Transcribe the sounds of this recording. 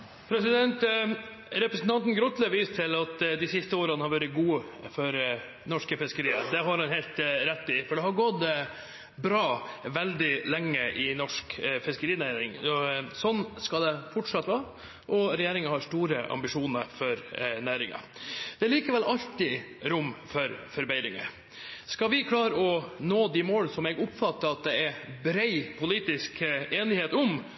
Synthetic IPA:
pʰɾɛsɪd̪ɛnt̪ | ɾɛpɾəsn̩t̪ʰɑnt̪n̩ɡɾʊt̪ləʋiːst̪ʰɪlɑt̪d̪ɪsɪst̪əoːɾənhɑɾʋæːɾɪɡuːfɔɾ | nɔʂkəfɪskəɾiːə̰d̪ɛɦɑɾhɑnhɛːlt̪ɾɛt̪ːɪfɔɖɛhɑɾɡɔt̪ː | bɾɑːʋɛld̪ɪlɛŋːəʔɪnɔʂkfɪskəɾiːnæːɾɪ̰ŋɔsɔnːskɑd̪ɛfʊʈʂɑt̪ːʋɑːɾ | ʔɔɾɛjeːɾɪŋənhɑʂʈuːɾəʔɑ̰mbɪʂuːnəɾfɔɾnæːɾɪŋə̰ | d̪̥ɛæɭiːkəʋɛlɑlt̪ɪ | ɾʊmːfɔɾfɔɾbæɪɾɪŋə̰ | skɑʋɪkʰlɑːɾəɔnoːd̪ɪmoːlsɔmɛɡʊpfɑt̪ːəɾɑt̪̚d̪ɛɛɾbɾɛɪpʰʊliːt̪ɪskeːnɪheːt̪ʊm

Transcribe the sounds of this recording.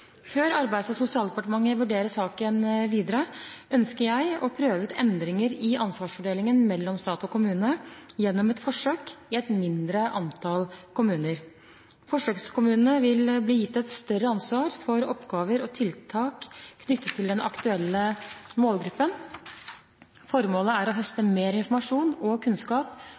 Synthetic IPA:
føːɾɑɾbæɪd̪sɔsʊsɪɑːld̪ɛpɑʈəmɑŋːəʋʉɖeːɾəʂɑːkənʋiːd̪əɾəœnskəɾjæɪɔpʰɾøːʋəʉːt̪ʰɛnd̪ɾɪŋəɾɪɑnsʋɑːʂfɔɖeːlɪŋənmɛlːɔmst̪ɑːt̪ɔkʊmʉːnəjɛnːɔmɛt̪fɔʂøːkɪɛt̪mɪnd̪ɾəʔɑnt̪ʰɑlkʊmʉːnəɾ | fɔʂøːkskʰʊmʉːnənəʋɪlbliːjɪt̪ːɛt̪st̪œɾəɑnsʋɑːɾfɔɾɔpɡɑːʋəɾɔt̪ʰɪlt̪ʰɑːkʰːnʏt̪ʰːət̪ʰːɪld̪ɛnʔɑ̰kt̪ʉɛlːəmoːlɡɾʉpːən | fɔɾmoːləæɾɔɦœst̪əmeːɾɪnfɔɾmɑʂuːnɔkʰʉnskɑːp

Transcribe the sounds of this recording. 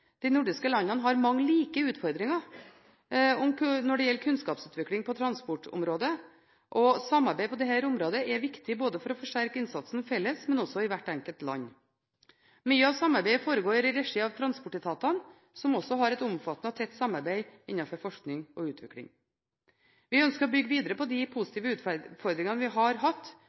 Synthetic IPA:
d̪̥ɛɪnʊɖɪskəlɑnːɑnəɦɑɾmɑŋːəliːkəʉːt̪fɔɾd̪ɾɪŋɑ | ɔmnɔɖɛjɛlːkʰʉnskɑːpsʉːt̪ʋɪkɽɪŋpʰɔt̪ʰɾɑnspʊʈʊ̰mɾoːd̪ə | ʔɔsɑmːɑɾbæɪpʰɔd̪ɛɦhæːɾʊmɾoːd̪əʔɛʋɪkt̪ɪboːd̪əfɔɾɔfɔʂʈæɾkəɪnsɑt̪sn̩fɛlːəsmɛnɔsɔɪʋæʈːɛŋkəlt̪lɑ̰ɲː | myːəɑʋsɑmːɑɾbæɪəfoːɾəɡoːɾɪɾɛʂɪɑʋt̪ʰɾɑnspɔʈːɪt̪ʰɑːt̪ɑn | sɔmɔsːɔɦɑɾɛt̪ʊmfɑt̪ːnəɔt̪ʰɛt̪ːsɑmɑɾbæɪɪnːɑfɔɾfɔʂknɪŋɔʉːt̪ʰʋɪ̰klɪ̰ŋ | ʋɪœnskəɾɔbʏɡːəʋiːd̪əɾəpɔd̪ɪpʰʊsɪt̪ʰiːʋəʉːt̪fɔɾd̪ɾɪŋɑnəʋɪɦɑɾɦɑt̪ː

